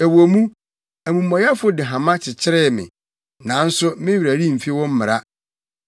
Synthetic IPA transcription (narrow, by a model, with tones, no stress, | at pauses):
æ˨wo˨mũ˦ | æ˨mũ˨mːɔ̃˨ja˦fʊ˦dɪ˨ɦã˨mã˦t͡ɕʰɪ˨t͡ɕʰɪ˦ɾɛ˦mɪ̰̃˨ | nã˨˦n̩˦sʊ˦mɪ̃˦ɥɾæ˨ɾi˦˨m̩˨fi˦wɔ̃˦m̩˦mɪ˨ɾa˦